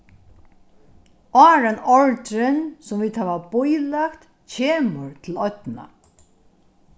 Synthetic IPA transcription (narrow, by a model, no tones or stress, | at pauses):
ɑːɾanɔɹt̪ɾɪnsʊmviːd̪haːʋabʊjlakt̪ | cʰeːməɾt̪ʰɪlɔt̪na̰